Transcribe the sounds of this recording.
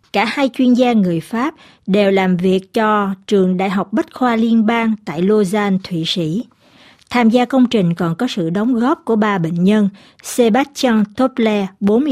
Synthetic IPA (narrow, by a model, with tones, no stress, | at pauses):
kaː˧˩haː˧jt͡ɕwi˧ənzaː˧ŋɨ˨˩əjfaː˦˥p̚ | ɗe˨˩wlaː˨˩mvi˨˩ək̚t͡ɕɔ˧t͡ɕɨ˨˩əŋɗa̰ː˧˨jɦa˨˩wk͡p̚ɓə˦˥t̚xwaː˧li˧ənɓaː˧ŋt̪a̰ː˧˨jlo˧zaː˧nt̪ʰwḭ˧˨sḭ˧˥ | t̪ʰaː˧mzaː˧kə˧wŋ͡mt͡ɕï˨˩ŋ̟kɔ˨˩nkɔ˨˦sɨ̰˧˨ɗə˨˦wŋ͡mɣɔ˦˥p̚ku˧˩əɓaː˧ɓḛ˧˨ŋ̟ɲə˧n | se˧ɓa˦˥t̚t͡ɕa˧ŋt̪o˦˥p̚lɛ˧ɓo˨˦nm˧